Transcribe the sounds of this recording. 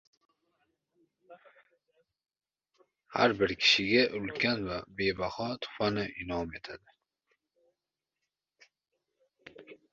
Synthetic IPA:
ha̰ɾbɪɾkʰʲi̥ʃiɡʲaʔulkʲʰanvabeːbaχɑːt̪ʰu̥fanɨʔinɑːmet̪ʰad̪ɪ

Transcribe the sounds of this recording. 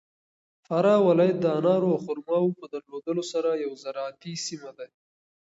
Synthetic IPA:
faɾɑwɪlɑjat̪̚d̪əanɑɾoawxʊɾmɑwopəd̪əɾlod̪əlosaɾajawzaɾɑːt̪isimad̪a

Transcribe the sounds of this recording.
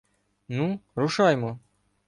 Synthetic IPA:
nuɾʊʂajmɔ

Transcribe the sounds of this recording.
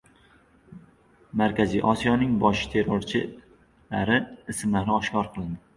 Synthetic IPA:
maɾkʲazijʔɒsijɒnɪŋbɒʃt̪ʰe̞ɾoɾt͡ʃʰɪ | laɾɪɪsmlaɾɪɒʃkɒɾqʰɨlˠɪnd̪ɪ

